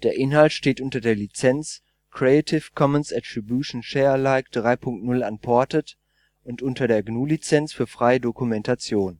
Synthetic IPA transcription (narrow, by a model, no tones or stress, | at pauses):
d̥eːɐʔɪnɦaltʃteːtʔʊntɐdeːɐlit͡sɛnt͡s | kʁ̥eatʰɪfkʰɔmənsatʁ̥ibjuːʃn̩ʃɛːɐlaɪkd̥ʁaɪpʰʊŋk̚tnʊlanpʰɔɐtət | ʔʊntʔʊntɐdeːɐɡnuːlit͡sɛnt͡sfyːɐfʁ̥aɪədokumɛntʰat͡sjoːn